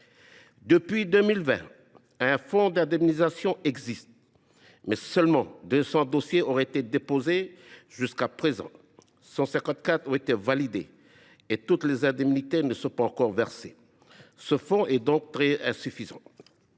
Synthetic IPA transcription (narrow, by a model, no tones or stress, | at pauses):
d̪əpɥid̪ømilvɛ̰̃ | ɛ̃fɔ̃d̪ɛ̃d̪ɛmnizasjɔ̃ɛɡzist̪̚ | mɛsœlmɑ̃d̪øsɑ̃d̪osjeoʁɛet̪ed̪epozeʒyskapχezɑ̰̃ | sɑ̃sɛ̃kɑ̃t̪̚kat̪ɔ̃et̪evalid̪eː | t̪ut̪lezɛ̃d̪ɛmnit̪ɛʁnəsɔ̃paɑ̃kɔʁvɛʁse | səfɔ̃ʔɛd̪ɔ̃k̚t̪χɛɛ̃syfizɑ̰̃